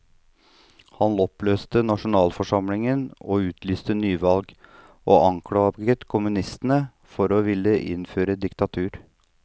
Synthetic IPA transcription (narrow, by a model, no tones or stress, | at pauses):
hɑnɔpløːst̪ənɑʂʊnɑːlfɔʂɑmlɪŋənoːʉːt̪ʰlyːst̪ənyːʋɑlɡ | ʔoːʔɑŋkʰɽɑːɡət̪kʰʊmʉnɪst̪nə | fɔɾoːʋɪlːəʔɪ̰nføːɾəd̪ɪkt̪ɑt̪ʰʉːɾ